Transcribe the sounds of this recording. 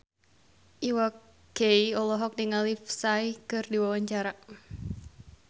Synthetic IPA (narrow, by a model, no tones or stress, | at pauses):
ʔiwak | ɡeiɔlɔɦɔk̚diŋalifsaikɨrdiwawaɲt͡ʃaɾaʔ